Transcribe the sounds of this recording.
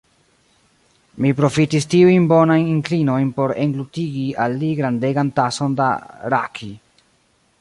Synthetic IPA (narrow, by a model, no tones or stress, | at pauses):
mipɾo̞fitistiujnbo̞najniŋklino̞jnpo̞ɾe̞ŋɡlutiɡialːiɡɾande̞ɡantaso̞nda̰ɾa̰kʰi